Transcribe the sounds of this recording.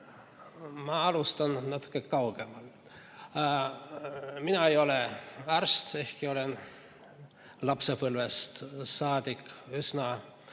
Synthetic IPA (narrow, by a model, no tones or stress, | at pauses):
mɑɑlust̪ɑnnæt̪ːu̥kːˑekɑwɡ̥emɑl | minɑejo̞leærst̪e̞hkio̞len | lɑpsepɤlvest̪sɑːd̪̥ʲikːˑysnɑ